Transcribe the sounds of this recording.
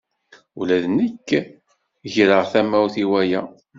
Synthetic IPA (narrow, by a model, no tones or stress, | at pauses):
ulæðnəkː | ʝɾəʁθæmæwθiwæjæ